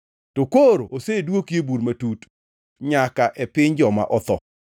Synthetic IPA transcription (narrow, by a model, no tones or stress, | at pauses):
tokoɾoosedwokjebuɾmatut | ɲakaʔɛpɪɲd͡ʒɔma̰ʔɔt̪ɔ